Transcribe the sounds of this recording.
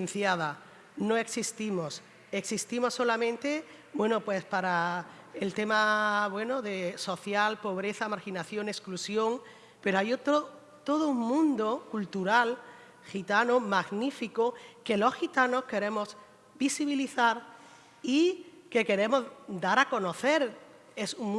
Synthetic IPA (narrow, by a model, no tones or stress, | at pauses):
nθjaða | no̞eksist̪imo̞s | eksist̪imo̞sːo̞lamẽnt̪e̞ | bwe̞nopwe̞spaɾa | elt̪e̞maβwe̞noðe̞so̞θjalpo̞β̞ɾe̞θamaɾxinaθjo̞ne̞sklusjo̞ŋ | pe̞ɾoajot̪ɾo | t̪o̞ðouŋmũnd̪okult̪uɾal | xit̪anomaɣnifikoke̞lo̞sxit̪ano̞ske̞ɾe̞mo̞s | bisiβiliθaɾ | i | ke̞ke̞ɾe̞mo̞zd̪aɾako̞no̞θe̞ɾ | e̞suŋ